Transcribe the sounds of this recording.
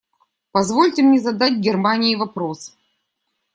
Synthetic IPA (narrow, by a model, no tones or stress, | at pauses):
pɐzvolʲtʲɪmnʲɛzɐd̪atʲɡʲɪrmanʲɪivɐpɾos